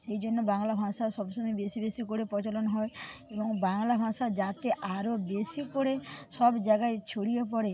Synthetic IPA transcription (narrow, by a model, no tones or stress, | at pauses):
sejd͡ʒonːobaŋlabʱãsasɔbsɔmɔjbesibesikoɽepɾɔt͡ʃolɔnɔɦɔeebɔŋbaŋlabʱãsad͡ʒat̪eʔaɾobesikoɽesɔbd͡ʒaɡaet͡ʃʰoɽiop̬ɔɾe